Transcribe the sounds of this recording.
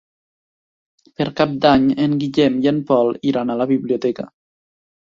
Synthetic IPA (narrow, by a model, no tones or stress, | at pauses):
peɾkap̚d̪aɲeŋɡiʎɛmjempɔliɾanalaβiβliot̪ɛka̰